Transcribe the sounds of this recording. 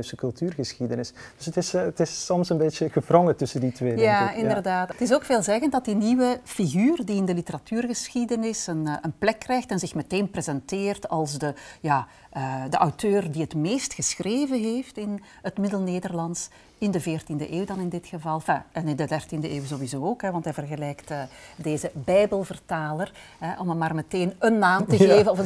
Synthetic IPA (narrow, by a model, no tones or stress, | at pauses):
ɥsəkɵlˠtyːrɣəsxidənɪsd̥ɵsətɪsətɪsːɔmsənbeːtəɣəvrɔŋətɵsənditʋeːjaɪndərdaːtətɪs̬oːkfeːlˠzɛɣəntdɑt̚diniwəfiɣyːrdiɪndəlitəɾɑtʰyːrɣəsxidənɪsənənplɛkːrɛjxtɛnzɪxmɛteːnprezɛnteːrtɑlˠsdəjaː | ədəʔawtʰøːrdiɦətmeːstxəsxreːvənɦeːftɪn | ɦətmɪdəlˠneːdərlɑns | ɪndəvɪːrtində̰ʔeːwdɑnɪndɪtxəvɑlˠfaɛnɪndədɛrtindəʔeːwzowizoːokɦɛʋɑntɦɛjvərɣəlɛjktədeːzəbɛjbəlˠvərtaːlərɦɛʔɔməmaːrmɛteːnənːaːmtəɣeːvənɔf